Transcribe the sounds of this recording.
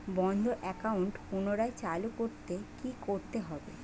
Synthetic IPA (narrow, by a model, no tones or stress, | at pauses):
bɔnd̪ʱoʔɛkauɳʈpunoɾaet͡ɕalukoɾt̪ekikoɾt̪eɦɔbe